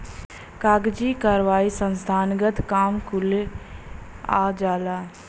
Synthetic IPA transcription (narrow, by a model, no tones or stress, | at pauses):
kaːɡd͡ʒiːkaːɾʋaːisə̃nst̪ʰaːnɡət̪kaːmkʊl | a̰ːd͡ʒaːlaː